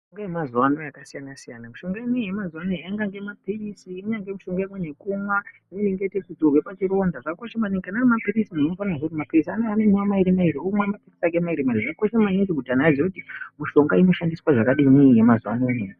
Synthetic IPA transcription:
oŋɡajemazuwano̞jakasijanasijanamuʃo̞ŋɡaemwiijemazuwanoiaŋɡaŋɡemapiisiːɲaŋɡemuʃoŋɡaemwenekumwaineniŋɡetekud͡zorwepat͡ʃiɾo̞ndaʐako̞ʃemankanamapirisinnofanaʐorimapirisaneanemuwamaiɾimaiɾiomwematiki̥sak̬emaiɾimairiʐako̞ʃemaind͡ʒiɡudanaazekutimuʃo̞ŋɡaino̞ʃandiswaʐakaɗimwiije̞mazuwanoeneni

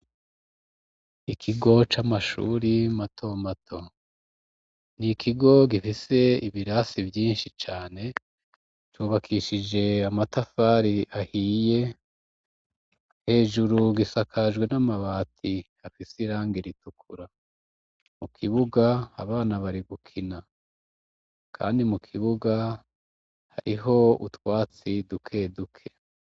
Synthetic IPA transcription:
ikʰiɡo̞t͡ʃamaʃṵːɾimatʰo̞matʰo̞ | nikʰiɡo̞ɡifise̞iβiɾasivjiːnʃit͡ʃaːne̞ | twuːβakʰiʃid͡ʒe̞amatafaɾiʔahiːje̞ | he̞ːʒuɾuɡisakʰaʒɡwe̞namaβaːtʰi | afisiɾaːŋɡiɾitukʰuɾa | mukʰiβuɡaːβaːnaβaɾiɡukʰina | kʰa̰ːndimukʰiβuɡa | ha̰ɾʔiɦo̞ṵtwaːt͡sidukʰe̞dukʰe̞̥

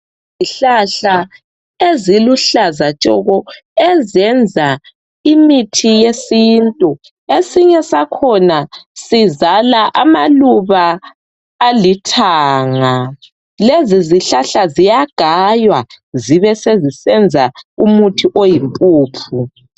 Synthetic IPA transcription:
ziɬaɬa | eziluɬazat͡ʃʼɔɣɔ | ɛzɛnd͡zʱa | imitʰijesintʼu | esiɲɛsakʰɔnasizalaʔamaluβaː | litʰaːŋa | leziziɬaɬazijaɡ̥ʱajwa | ziβɛsezisɛnd͡zʱaumutʰiʔojimpʼuːpʰu

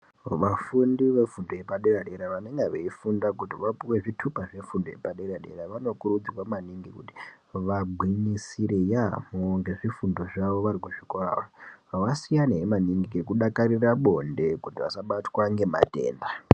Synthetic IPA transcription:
ʋafundiʋe̞fundoje̞paɗeraɗeɾaʋaneŋɡeʋeifundakutiʋapuwe̞ʐitʰupaʐe̞fundoje̞̰paɗeɾaɗe̞̰ɾaʋano̞kuɾud͡zirwamaniŋɡikuti̥ | ʋaɡʱwinisiɾejamoŋɡe̞ʐifundo̞ʐaʋo̞ʋaɾikuʐ̥ikora̰raʋasijaneɦemaniŋɡiɡekuɗakaɾiraɓo̞nde̞kutiʋa̰saɓatwaŋɡe̞ma̰te̞̰ːnda

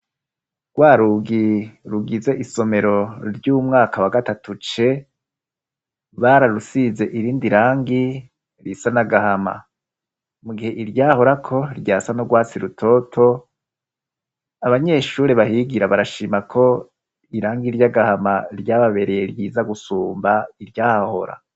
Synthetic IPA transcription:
ɡ̥waːɾuɡiɾuɡize̞ʔiso̞me̞ɾo̞ɾjuːmŋaːkawaɡatatʰut͡ʃe̞ | βaɾaɾusize̞ʔiɾiːndiɾaːŋɡi | ɾisanaɡahama̰ | muɡihe̞ʔiɾjaːho̞ɾakʰo̞ɾjaːsanoɡwaːt͡siɾutʰo̞tʰo̞ | aβaɲe̞ʃuːɾeβahiɡiɾaβaɾaʃiːmakʰo̞ | iɾaːŋɡiɾjaɡahamaɾjaːβaβe̞ɾe̞je̞ɾjiːzaɡusuːmbaiɾjaːhaho̞̰ɾa̰

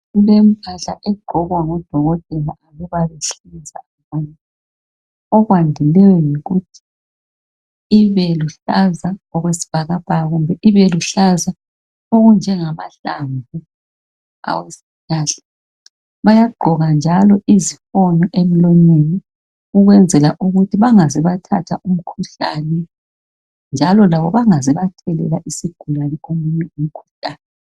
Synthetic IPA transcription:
ulem̩pʰaɬa̰ʔɛɡ͡ǃ̥ʱɔɣwaŋɔd̥ʱɔɣɔt̚ʼɛlaʔaβɛβaβeɬizaaβana | ɔɣwandʱilɛjɔjiɣutʰi̥ | βɛluɬazaɔɣwesi̥b̥ʱaɣab̥ʱaɣumbʱɛʔiβɛluɬaza | oɣund͡ʒʱɛŋama̰ɬa̰mbʱu | a̰wesi̥ɬaːɬɛ̥ | βajaɡ͡ǃʱɔɣand͡ʒʱalɔizifonɔʔem̩loɲini | uɣwɛnd͡zʱɛlaʔuɣutʰiβaŋazɛβatʰa̰tʰaʔum̩kʰuɬa̰nɛ | nd͡ʒʱalɔlaβɔβaŋazɛβatʰɛlɛ̰laʔisiɡ̥ʱulanɛomuɲɛum̩kʰu̥ɬaːnɛ

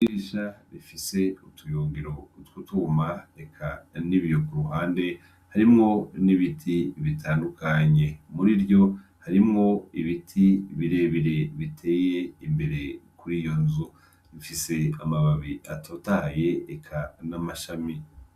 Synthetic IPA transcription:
iɾiʃaɾifise̞utʰujoːŋɡiɾo̞twutumaekʰaniβjo̞kuɾuɦaːnde̞ | haɾimŋo̞niβitʰiβitʰaːndukʰaɲe̞muɾiɾjo̞ | haɾimŋo̞iβitʰiβiɾe̞βiɾe̞βitʰe̞ːje̞imbe̞ɾe̞kuɾijo̞nzu | βifise̞amaβaβiʔatʰotaje̞ːkʰanamaʃami

